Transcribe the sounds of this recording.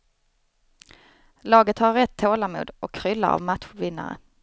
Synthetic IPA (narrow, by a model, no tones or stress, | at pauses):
lɑːɡət̪haɾɾɛt̪ʰːoːlamṵːd̪ʔɔkʰːɾʏlːa̰a̰vmat̪ɧvɪnːa̰ɾə̰